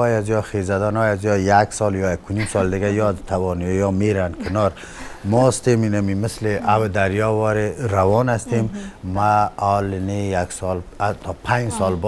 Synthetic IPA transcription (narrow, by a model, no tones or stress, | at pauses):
ɔjazijɔxezad̪anɔjazijɔjaksɔljɔjakʰːunimsɔld̪ɪɡajɔd̪t̪ʰawɔnjɔmeɾankʰɪnɔɾ | mɔst̪eminamimɪsleʔawd̪aɾjɔwɔɾeɾawɔnast̪emːaɔlɪnejaksɔlat̪ʰɔpʰãɲd͡ʒsɔlb